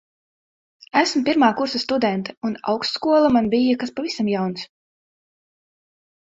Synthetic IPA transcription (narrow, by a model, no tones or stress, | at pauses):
æsmpʲiɾmaːkuɾsast̪ud̪ɛnt̪ɛuna̰wkst̪skuɔlˠamanbijakaspavisamjawns